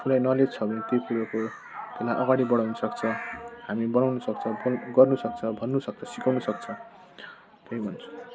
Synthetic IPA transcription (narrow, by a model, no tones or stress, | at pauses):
pʰulajnʌlet͡sʰʌbʱʌnet̪ikuɾʌko | t̪elajʔʌɡaɽibʌɽ̃awnʌsʌkt͡sʰʌhamibʌnawnusʌk̚t͡sʰʌbɡʌrnusʌkt͡sʰʌbʱʌnːusʌk̚t͡sʰʌsi̥kawnusʌk̚t͡sʰʌ | t̪eibʱʌnt͡sʰu̥